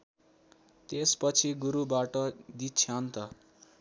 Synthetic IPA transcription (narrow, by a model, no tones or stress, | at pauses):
t̪espʌt͡sʰiɡuɾubaʈʌd̪it͡sʰjant̪ʌ